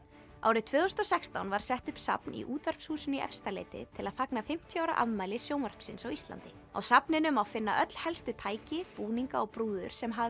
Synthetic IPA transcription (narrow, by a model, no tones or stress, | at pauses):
a̰ːwɾɪðt̪ʰvʏːðɔst̪ɔsɛkst̪awnvaɾ̥sɛht̪ʏhpsa̰pnḭʔuːt̪vɛɾ̥pshuːsʏniʔɛ̰fst̪alḛːjt̪ɪ̰t̪ʰɪlaðfaknafɪm̥t̪ʰjʏaːwɾa̰ʔa̰ðmaːjlɪsjoːwnvaɾ̥psɪnsawist̪la̰nt̪ɪ | a̰wsapnɪnʏmawfɪnːa̰ʔœt̪l̥hɛlst̪ʏt̪ʰaːjcɪpuːniŋkaɔɣpɾuːðʏɾ̥sɛmɦa